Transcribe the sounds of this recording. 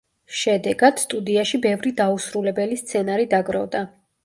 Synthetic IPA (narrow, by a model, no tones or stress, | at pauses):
ʃɛd̪ɛɡad̪̥st̪ʼud̪iaʃibɛvɾid̪ausɾulɛbɛlist̪sʰɛnaɾid̪aɡɾɔvd̪a